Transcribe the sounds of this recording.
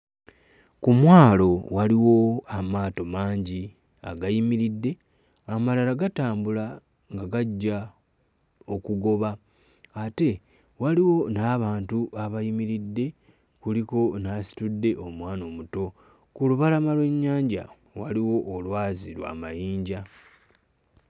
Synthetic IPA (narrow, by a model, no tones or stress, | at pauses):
kumwaːlo̞waliwo̞amaːto̞maːɲɟi | a̰ɡajimiɾidːe̞ | amalalaɡataːmbula | ŋɡaɡaɟːa | o̞kuɡo̞βa | ate̞ | waliwo̞naːβaːntuʔaβajimiɾidːe̞ | kuliko̞nasi̥tudːe̞ʔo̞mwaːno̞ːmuto̞ | kuluβalamalweɲːaːɲɟa̰ | waliwo̞ʔːlwaːziɾwa̰majiːɲɟa